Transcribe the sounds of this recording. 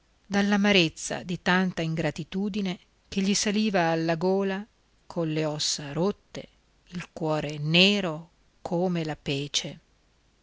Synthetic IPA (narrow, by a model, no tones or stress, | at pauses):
d̪alːamaɾet̪sːa̰d̪it̪ant̪aiŋɡɾat̪it̪uːd̪ine | keʎːisaliːvaːlːaɡoːla | kʰonleɔsːaɾot̪ːḛ | ilkwɔːɾeneːɾo | kʰoːmelapɛːt͡ʃe